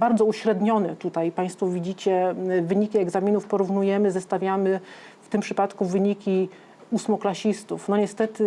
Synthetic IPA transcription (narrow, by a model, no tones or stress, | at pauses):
baɾd̪zɔuɕɾɛd̪ɲɔnɛt̪ut̪ajpaj̃st̪fɔvʲid͡ʑit͡ɕɛvɘɲikʲiɛɡzamʲinufpɔɾuvnujɛmɘzɛst̪avʲjamɘ | ft̪ɘmpʂɘpat̪kuvɘɲikʲi | usmɔklaɕist̪ufnɔɲɛst̪ɛt̪ɘ